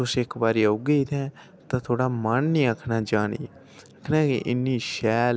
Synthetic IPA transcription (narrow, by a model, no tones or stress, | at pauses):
ʊsɪkbaːɾiːəʊɡeit̪ʰɛ̃ː | t̪ãːt̪ʰoːɽaːmənnĩːəkʰːnaːd͡ʒaːnḭː | əkʰːnãːkḭʔɪnːiːʃɛːl